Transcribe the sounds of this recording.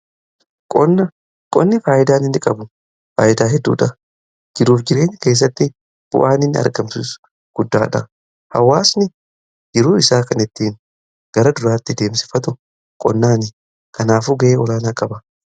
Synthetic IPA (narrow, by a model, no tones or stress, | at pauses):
kʼɔnːɐ | kʼɔnːɪfaːjɪd̪aːnɪnːɪkʼɐbʊ | fa̰ːjʔɪd̪aːɦɛd̪ːṵːᶑɐ | d͡ʒɪɾuːfd͡ʒɪɾe̞ːnːke̞ːs̬ːɐt̪ːɪ | b̥ʊ̰ʔaːnɪnːɐ̰ɾɡɐmsʊs | ɡ̥ʊd̪ːa̰ːᶑɐ̰ | hɐ̰wːaːsnɪ | d͡ʒɪɾuːɪsaːkɐnɛt̪ːiːn | ɡ̥ɐɾɐd̪ʊɾaːt̪ːɪd̪e̞ːmsɪ̥fɐt̪ʊ | kʼɔ̰nːaːnɪ | kɐnaːfuːɡɐʔeːɔlaːnaːkʼɐbɐ